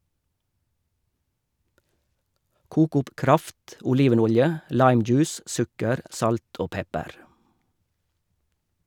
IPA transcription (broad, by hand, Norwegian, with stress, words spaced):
ˈkuːk ˈʊp ˈkɾɑft ʔʊˈliːʋəˌnʊljə ˈlɑɪmˌd͡ʒʉːs ˈsʉkəɾ ˈʔsɑlt ˈoː ˈpɛpəɾ